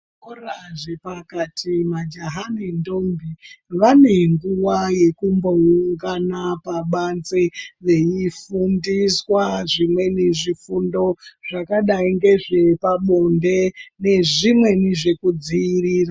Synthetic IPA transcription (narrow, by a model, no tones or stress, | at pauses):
koraʐepakatʰimad͡ʒaɦanendo̞mbiʋane̞ŋɡuwaje̞kumbo̞uŋɡanapaɓanzeʋe̞ifundiswaʐimwe̞neʐifundo̞ʐ̥akaɗaiŋɡe̞ʐe̞paɓo̞nde̞ne̞ʐimwe̞niʐe̞kud͡ziiriːra